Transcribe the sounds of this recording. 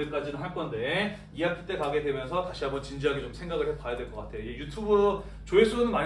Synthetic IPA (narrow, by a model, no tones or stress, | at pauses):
ik͈ad͡ʑinɯnɦaɭk͈ʌnde̞ | iakʰit͈e̞kaɡe̞dwe̞mjʌnsʰʌtaɕʰiɦambʌnt͡ɕind͡ʑiɦaɡet͡ɕomsʰe̞ŋɡaɡɯɭɦek͈ajadwe̞ɭkʌk͈atʰe̞joiejutʰubɯɾo | t͡ɕoes͈ʰuɯnɯnma